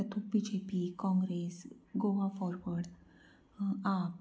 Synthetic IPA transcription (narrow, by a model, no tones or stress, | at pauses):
ət̪ʰupid͡ʑepikɔ̃ŋɡɾesɡoʋafɔɾʋəɽ | ap